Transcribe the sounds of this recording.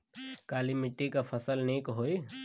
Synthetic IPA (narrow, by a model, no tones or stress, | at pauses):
kaːlimɪʈːikapʰɐsəlneːkɦoːi